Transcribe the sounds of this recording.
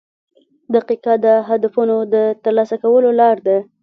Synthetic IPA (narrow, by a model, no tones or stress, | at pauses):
d̪aqiqad̪əɦad̪afunod̪ət̪əɾlɑsakawəlolɑɾd̪a